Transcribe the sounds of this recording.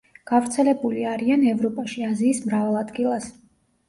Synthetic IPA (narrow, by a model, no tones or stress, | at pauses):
ɡ̥avɾt̪sʰɛlɛbuliaɾianɛvɾɔpʼaʃiaziːsmɾavalˠad̪ɡilˠas